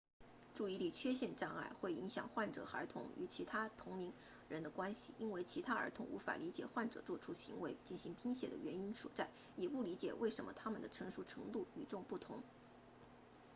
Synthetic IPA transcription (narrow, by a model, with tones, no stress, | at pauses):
ʈ͡ʂu˥˩i˧˥li˨˩t͡ɕʰɥɛ˥ɕjɛ˥˧nʈ͡ʂa˥˧ŋa̰˥˩ɪxwe˥˩ɪi˧˥ŋɕjɑ̰˨˩ŋxwa˥˩nʈ͡ʂɤ̰˨˩xə̰˞˧˥t̪ʰʊ̰˧˥ŋy̰˧˥t͡ɕʰi˧˥t̪ʰa˥t̪ʰʊ˧˥ŋmi˧˥ŋ | ɻə˧˥nd̪ə˧kwa˥nɕi˨i˥nwe˥˧˩ɪt͡ɕʰi˧˥t̪ʰa˥ə̰˞˧˥t̪ʰʊ̰˧˥ŋʔṵ˧˥fa̰˨˩li˧˥t͡ɕjɛ˨˩xwa˥˩nʈ͡ʂɤ̰˨˩t͡swɔ˥˧˩ʈ͡ʂʰu˥ɕi˧˥ŋwe˧˥ɪt͡ɕi˥˩nɕi˧˥ŋpʰi˥ŋɕjɛ̰˨˩d̪ə̰˦ɥɛ˧˥ni˥nʂwɔ̰˨˩ʈ͡ʂa˥˩n | jɛ˨˩pu˥˩li˧˥t͡ɕjɛ̰˨˩wḛ˥˩ɪʂə˧˥nmə̰˧t̪ʰa˥mə˨nd̪ə˩ʈ͡ʂʰɤ˧˥ŋʂu˧˥ʈ͡ʂʰɤ̰˧˥ŋt̪u˥˩y̰˨˩ʈ͡ʂʊ˥˧ŋpu˥˩t̪ʰʊ˧˥ŋ